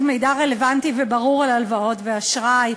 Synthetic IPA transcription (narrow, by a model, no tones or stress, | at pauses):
tme̞jdaʁe̞le̞vantivebaʁuʁalalvao̞tveaʃʁaj